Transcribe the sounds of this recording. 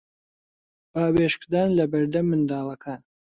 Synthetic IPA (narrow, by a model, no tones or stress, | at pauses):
b̥aːweːʃkd̪aːnlɐbɐɾd̪ɐmːɨnd̪ɑːlˠɐkʰaːn